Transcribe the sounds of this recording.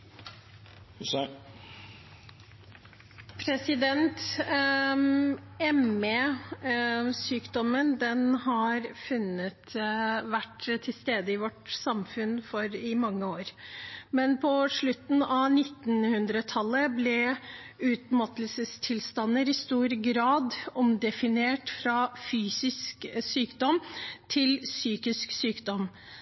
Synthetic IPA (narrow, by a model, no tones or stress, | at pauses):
s | pʰɾɛsɪd̪ɛnt̪ | ɛmeː | syːkd̪ɔmənd̪ɛnɦɑɾfʉnːət̪ʋæʈt̪ʰɪlst̪eːd̪əɪʋɔʈsɑmfʉnfɔɾɪmɑŋːəoːɾmɛnpʰɔʂɭʉt̪n̩ɑʋnɪt̪ːnhʉnd̪ɾət̪ʰɑlːəblɛ | ʉːt̪mɑt̪əlsəst̪ʰɪlst̪ɑnːəɾɪst̪uːɾɡɾɑːd̪ɔmd̪ɛfɪneːʈfɾɑfyːsɪsksyːkd̪ɔmt̪ʰɪlsyːkɪsksyːkd̪ɔm